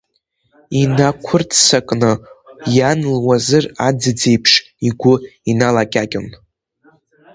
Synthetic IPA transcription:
inakʷʰʊrtʰsakʼnɨjanlwazɨrad͡zɨd͡zejpʰʂ | iɡʷʊinalakʲʼakʲʼɪ̰n

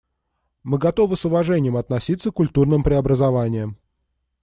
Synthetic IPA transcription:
mɨɡɐt̪o̞vɨsʊvɐʐɛnʲɪjəmɐt̪nɐsʲit̪səkʊlʲt̪urnɨmpɾʲɪɐbɾəzɐvanʲɪjəm

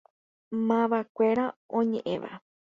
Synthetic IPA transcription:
mãʋakʷeɾaõɲẽʔḛ̃ʋa̰

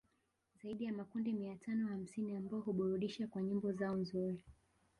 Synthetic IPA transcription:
zaiɗijamakundimiatʰanɔham̩siniambaɔɦuɓɔɾuɗiʃakwaɲimbɔzaɔnzuɾi

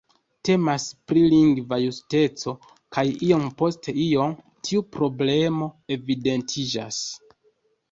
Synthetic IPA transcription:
te̞maspɾiliŋɡvajuste̞t͡so̞ | kajio̞mpo̞stʰe̞io̞m | tʰiupɾo̞ble̞mo̞e̞vide̞ntʰid͡ʒa̰s

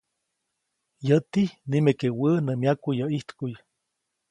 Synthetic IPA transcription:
jət̪ihnimekewənəmjakujəiht̪kuj

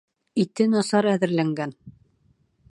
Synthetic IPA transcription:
it̪ɘnɑsɑɾæðɘ̆ɾlæŋɡæn

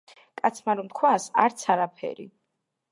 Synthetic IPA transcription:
kʼat̪sʰmaɾɔmt̪̚kʰwasa̰ɾt̪sʰaɾapʰɛ̰ɾḭ

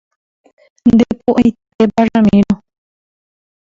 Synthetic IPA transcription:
nd̪epoʔit̪ebaɾamĩnõ

